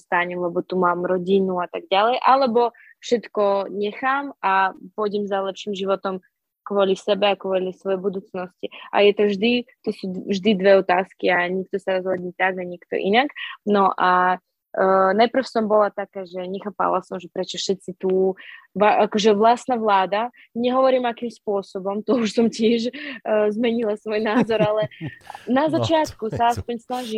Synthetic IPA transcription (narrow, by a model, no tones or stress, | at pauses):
st̪aɲɛmlɛbɔt̪umaːmɾɔɟinuat̪aɡ̚ɟalɛjʔalɛbɔ | fʃɛt̪kɔɲɛxaːmapɔjɟɛmzalɛpʃiːmʒiʋɔt̪ɔm | kʋɔlisɛbɛakʋɔlisʋɔjɛjbud̪uːt͡snɔsciʔa̰jɛt̪ɔvʒd̪it̪ɔsuːʒd̪id̪ʋɛɔt̪aːskiaɲik̚t̪ɔsaɾɔzɦɔd̪ɲiːt̪aɡaɲikt̪ɔ̰ʔḭnaknɔʔa | najpr̩fsɔmbɔlat̪akaːʒɛɲɛxaːpa̰lasɔmʒɛpɾɛt͡ʃɔʃɛt̪t͡sit̪uʋaakɔʒɛʋlast̪naʋlaːd̪a | ɲɛɦɔʋɔɾiːmakiːmspʊɔsɔbɔmt̪ɔuʃsɔmcɪɛʃzmɛɲilasʋɔjnaːzɔɾalɛnazat͡ʃɪat̪kusaaspɔɲsnaʒiː